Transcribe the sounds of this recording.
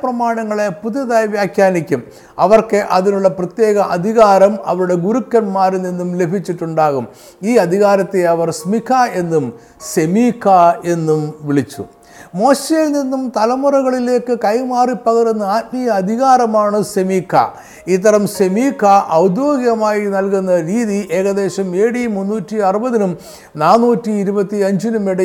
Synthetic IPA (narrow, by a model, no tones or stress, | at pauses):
prɐmaːɳɐŋːɐɭe̞puðjɐðaːjʋjaːkjaːnikʲːum | ɐʋɐrkeʔɐðinuɭːɐprɐt̪je̞ːɣɐʔɐd̪ʱiɣaːɾɐmɐ̰ʋɐɾuɽe̞ɡuɾukːɐnmaːɾninːumle̞bʱit͡ɕːiʈːuɳɖaːɣum | iːɐd̪ʱiɣaːɾɐt̪ːeɐʋɐrsmikʰae̞nːum | ɕemiːkʰːae̞nːumʋiɭit͡ɕːṵ | mo̞ːɕejilninːumt̪ɐlɐmurɐɣɐɭile̞ːkːɨkɐjmaːripːɐɣɐɾenːɨaːt̪̚mijɐːd̪ʱiɣaːɾɐmaːɳɨsemiːkʰːɐ̰ | it̪ːɐɾɐmɕemiːkʰːɐʔɐwd̪joːɡijɣɐmaːjinɐlkunːɐɾiːðiʔe̞ːɣɐðe̞ːɕɐme̞ːɽimunːuːtːiɐrɨbɐðinum | naːnːuːtːiːɾubɐt̪ːiɐɲd͡ʑinumiɽɐ